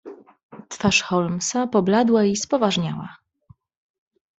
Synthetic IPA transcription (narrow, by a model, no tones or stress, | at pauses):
t̪faʂxɔlmsapɔblad̪waispɔvaʐɲa̰wa̰